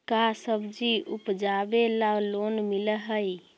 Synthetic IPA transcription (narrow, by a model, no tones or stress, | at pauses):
kasəbd͡ʒiupd͡ʒabelalonmiləɦəj